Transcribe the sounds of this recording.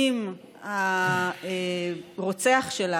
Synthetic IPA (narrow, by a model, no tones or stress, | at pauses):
im | a | eʁot͡seaχʃela